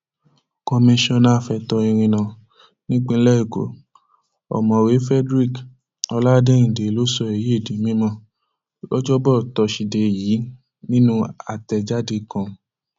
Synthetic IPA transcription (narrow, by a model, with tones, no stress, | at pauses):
ko˧mĩ˧ʃɔ̃˧nã˦˨fɛ˧tɔ˧i˧ɾ̃ĩ˧nã˨ | nĩ˦k͡pĩ˧˦lɛ˦i˦˨ɡo̰˨˦ | ɔ̰˨mɔ̃˨we˨˦fɛ˦dɾi˦˨k | ɔ˧la˦dẽ˦ĩ˨de˨˦lo˦sɔ˧e˨ji˨˦e˦˨di˨˦mĩ˦mɔ̃˧˦ | lɔ˦d͡ʒɔ˦bɔ˦˨tɔ˧ʃi˨de˨jiː˨˦ | nĩ˦nũ˦a˨tɛ˧d͡ʒa˦de˧˨kã˨